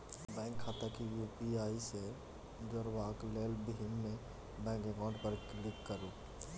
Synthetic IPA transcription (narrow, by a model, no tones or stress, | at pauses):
bɛ̃ːŋkʰːaːt̪akijuːpiaːise | d͡ʒɔɾwaːkleːlbɪmːe | bɛ̃ːŋkeɡãːɳɖpəɾklɪkːəɾo